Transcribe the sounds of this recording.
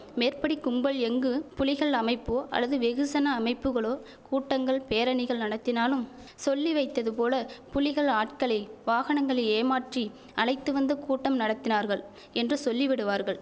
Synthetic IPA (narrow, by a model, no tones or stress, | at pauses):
meːrpɐɽikʊmbɐɭɛŋɡɯpʊlɪɣɐɭɐmɐɪpːoːʔɐ̰lːɐðɯʋɛɣɯsɐnɐːmɐɪpːɯɣɐɭoː | kuːʈːɐŋɡɐɭpeːɾɐɳɪɣɐɭnɐɽɐt̪ːɪnaːlɯm | sɔlːiʋɐɪt̪ːɐðɯpoːlɐpʊlɪɣɐɭaːʈkɐɭɐɪʋaːɣɐɳɐŋɡɐɭɐeːmaːʈri | ɐlɐɪt̪ːɯʋɐnd̪ɐkuːʈːɐmnɐɽɐt̪ːɪnaːɾɣɐɭ | ɛndrɯsɔlːɪʋɪɽɯʋaːɾɣɐɭ